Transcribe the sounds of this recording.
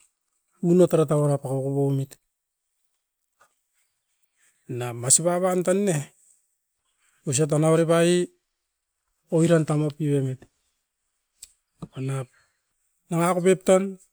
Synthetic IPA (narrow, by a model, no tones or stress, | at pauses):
unotaɾatawoɾapakakoβomit | namasipaβantanːe | os̬at̬anaβaɾepai | oiɾantamopiβemit | onap̚ | naŋakopep̚tan